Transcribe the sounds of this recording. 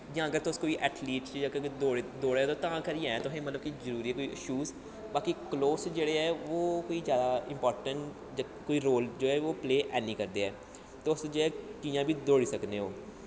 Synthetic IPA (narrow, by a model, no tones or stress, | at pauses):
d͡ʒaãːəɡəɾt̪oʊskoːiʔɛːʈʰliːʈsjãːkɡd̪oːɽed̪oːɽeːt̪oːt̪ãːkəɾiãːɛ̃t̪ʊɦẽːmət̪ləb̚kizəɾuːɾiːɛːkoːiʔɪ̰ʃuːz | baːkikloːsd͡ʒeːɽeɦɛːʋoːkoːizjaːd̪aːɪ̃mpɔːɾʈə̃ɳʈ | koːiːɾoːld͡ʒoːɛːʋoːpleːʔɛ̰ːnĩːkəɾd̪eːɛː | t̪oʊsd͡ʒoɛːkĩːjãːbʱiːd̪oːɽiːsəkneːɦoː